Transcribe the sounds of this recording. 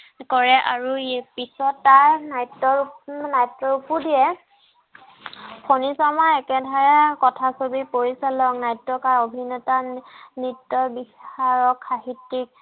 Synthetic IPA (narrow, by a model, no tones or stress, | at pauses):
kɔɹɛʔaɹupisɔtːaɹnajtːɔnajtːɔɹupudijɛ | pʰonisɔmaɛkɛdʱaɹɛkɔtʰasobipoɹisalɔŋnajtːɔkaɹobʱinɔtanitːɔbixaɹɔkʰːaɦitːik̚